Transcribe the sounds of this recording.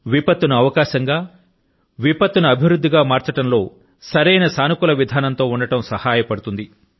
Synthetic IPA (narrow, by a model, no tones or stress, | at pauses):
ʋipɐt̪ːunuɐʋɐkaːʃɐŋɡaː | ʋipɐt̪ːunuɐbʱiʋɾud̪ʱːiɡaːmaːɾt͡ʃɐʈɐmlo̞ː | sɐɾɐjnɐsaːnukulɐʋid̪ʱaːnɐnt̪o̞ːuɳɖɐʈɐmsɐhaːjɐpɐɽut̪und̪i